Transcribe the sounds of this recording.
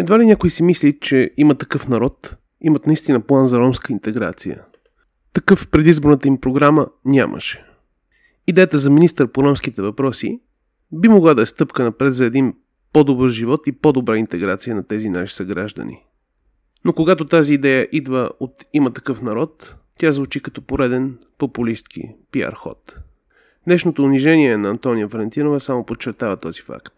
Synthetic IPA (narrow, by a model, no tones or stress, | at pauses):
ɛd̪valinʲakoisimislʲit͡ʃɛimət̪ɐkɤfnɐɾɔt̪ | imət̪nɐist̪inəplˠanzɐɾɔmskəint̪ɛɡɾa̰t̪sijə̰ | t̪ɐkɤfpɾɛd̪izboɾnət̪əimpɾoɡɾamənʲa̰mʔə̰ʃɛ̥ | id̪ɛjət̪əzɐminist̪əɾpoɾɔmsk̟it̪ɛvɐpɾɔsḭ | bimoɡlˠad̪ɐɛst̪ɤpkənɐpɾɛt̪zɐɛd̪in | pɔd̪obɤɾʒivɔt̪ipod̪obɾaint̪ɛɡɾat̪sijənɐt̪ɛzinaʃi̥sɐɡɾaʒd̪ə̰nḭ | nokoɡat̪ot̪aziːd̪ɛjəʔid̪vəot̪imət̪ɐkɤfn̪ɐɾɔt̪ːʲ | jazvut͡ʃikɐt̪ɔpoɾɛd̪ɛn | populist̪kḭpia̰ɾxɔ̰t̪ | d̪nɛʃnot̪oʊniʒɛniɛnɐːnt̪ɔnijəvɐlɛnt̪inovəsamopot͡ʃːɛɾt̪avət̪ɔzifa̰kt̪